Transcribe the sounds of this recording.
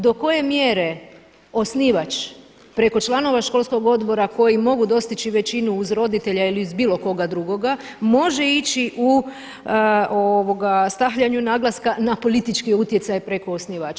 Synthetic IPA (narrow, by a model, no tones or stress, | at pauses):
d̪o̞ko̞je̞mje̞ɾe̞ | o̞sniːʋat͡ʃ | pɾe̞ko̞t͡ʃlˠano̞ʋaʃko̞lˠsko̞ɡo̞d̪bo̞ɾako̞jimo̞ɡud̪o̞st̪it͡ʃiʋe̞t͡ʃinuːzɾo̞d̪it̪e̞ʎailiuzbiːlˠo̞ko̞ɡad̪ɾuɡo̞ɡa | mo̞ʒe̞it͡ʃiʔu | oʋo̞ɡast̪axʎaɲunaːɡlˠaskanapo̞lit̪it͡ʃkiut̪jesajpɾe̞ko̞osniʋaːt͡ʃa